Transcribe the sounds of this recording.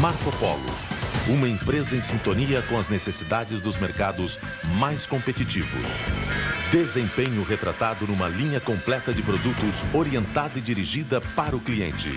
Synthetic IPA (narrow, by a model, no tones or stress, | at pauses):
maɾkopɔ̰lʊ̰ũmɐẽpɾezɐẽj̃sĩnt̪oniɐkõɐznesesid̪ad͡ʒɪzd̪ʊzmeɾkad̪ʊz | majskõmpet͡ʃit͡ʃivʊ̰s | d̪ezẽpẽɲʊɦet̪ɾa̰t̪ad̪ʊnũmɐlĩɲɐkõmplɛt̪ɐd͡ʒɪpɾod̪ut̪ʊsoɾiẽnt̪ad̪ɐɪd͡ʒiɾiʒid̪ɐpaɾɐʊkliḛ̃nt͡ʃɪ̰